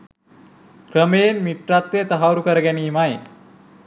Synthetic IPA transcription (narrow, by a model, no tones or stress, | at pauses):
kɾəmeːnmiʈ̪ɾat̪ʋet̪əɦaʋɾukəɾɡaniːmae